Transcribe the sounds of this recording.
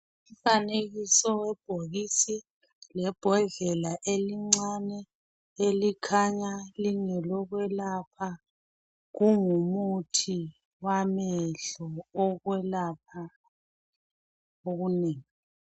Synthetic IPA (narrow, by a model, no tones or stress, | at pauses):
um̩faneɣisɔwɛb̥ʱoɣisi | lɛb̥ʱɔɮɛlaʔeliŋ͡ǀanɛ | elikʰaɲaliŋɛlɔɣwɛlapʰa | ɣuŋumutʰi | wamɛɮɔɔɣwɛlap̚ʰa | oɣuneːŋi